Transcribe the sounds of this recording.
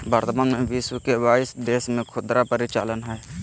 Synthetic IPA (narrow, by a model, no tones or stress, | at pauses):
bəɾt̪manmẽʋiswəkebaːɪsd̪eːsmẽkʰʊd̪ɾapəɾɪt͡ʃa̰ːlənɦɛː